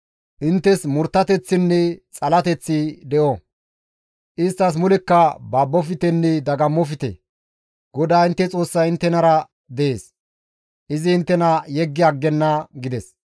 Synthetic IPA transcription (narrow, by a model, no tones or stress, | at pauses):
ʔɪnt̪ːɛsmʊɾt̪ːɐt̪ɛt͡sːɪnːɛt͡sʼɐlɐt̪ɛt͡sːɪd̪ɛʔɔ | ʔɪst̪ːɐs̬mʊlɛkːɐbaːbːɔfɪt̪ɛnːɛd̪ɐɡɐmːɔfɪt̪ḛ | ɡ̥ɔd̪aːɪnt̪ːɛt͡sʼo̞ːsːɐjɪnt̪ːɛnɐɾɐ | d̪ɛeːs | ʔɪzɪɪnt̪ːɛnɐjɛɡːɪɐɡːɛnːɐɡɪd̪ɛs